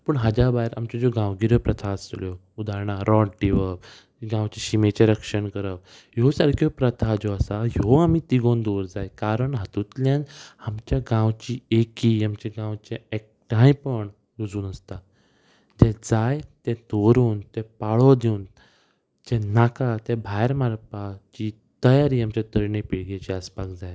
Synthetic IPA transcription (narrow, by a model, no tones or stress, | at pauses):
pəɳɦad͡ʑabaiɾa̰mt͡ɕɔd͡zoɡãwɡiɾəpɾət̪ʰaəsljo | ud̪aɾɳaɾʔɔɖʈiʋə | ɡãwt͡ɕiɕimet͡ɕẽɾəkʂəɳkəɾəbɦjosaɾkʰjɔpɾət̪ʰad͡ʑoəsajoamit̪iɡond̪oɾd͡zajkaɾəɳɦat̪ut̪ljãnamt͡ɕjaɡãwt͡ɕiːekiːamt͡ɕɛɡãwt͡ɕɛek̚ʈãj̃pəɳ | ɾud͡zuːnəst̪a | d͡ʑɛd͡zajt̪ɛ̃d̪oɾuːnt̪ɛpaɭɔd̪eun | d͡ʑɛ̃nakat̪ɛbʱajɾmaɾpat͡ɕi | t̪əjaɾiːamt͡ɕat̪əɾɳepiɽɡat͡ɕiaspakd͡zaj